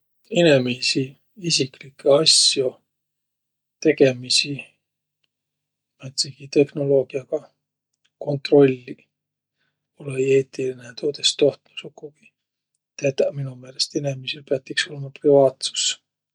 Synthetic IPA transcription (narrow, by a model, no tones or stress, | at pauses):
ine̞misi | isiklikːeɑsjo | t̪e̞ɡ̥e̞misi | mɑt̪siɡ̥it̪e̞hno̞lo̞ːɡ̥iɑɡ̥ɑ | ko̞nt̪ro̞lʲːi | olee̞ːt̪ːˑilinet̪ʰoːd̪e̞st̪o̞ht̪nusukːuɡ̥i̥ | t̪æt̪ɑminume̞ːle̞st̪ene̞misilpeɑt̪ːˑikso̞lemɑprivɑːt̪su̥s